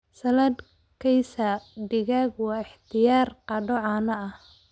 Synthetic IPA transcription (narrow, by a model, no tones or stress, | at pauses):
sɐlɐd̪ | kʰɛjsɐɖɪɣaːɡwɑːɪħt̪ʰɪjaːrqɑɖɔʕɑːnɐɐh